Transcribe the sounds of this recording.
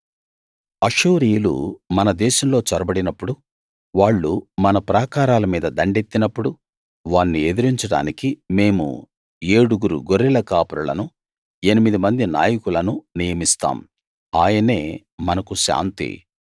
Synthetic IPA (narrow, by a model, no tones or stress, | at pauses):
ɐʂuːɾijlṵmɐnɐd̪ɛːʃɐmlo̞ːt͡ʃɐɾɐbɐɽinɐpːuɽu | ʋaːɭːumɐnɐpɾaːkaːɾaːlɐmiːd̪ɐd̪ɐɳɖe̞t̪ːinɐpːuɽu | ʋaːnːied̪iɾiɲt͡ʃɐɽa̰ːnikime̞ːmṵ | e̞ːɽuɡuɾṵɡoɾːilɐkaːpuɾulɐ̰nu | e̞nimid̪imɐnd̪ina̰ːjɐkulɐnunijɐmist̪a̰ːm | aːjɐne̞ː | mɐnɐkuʃa̰ːnt̪ḭ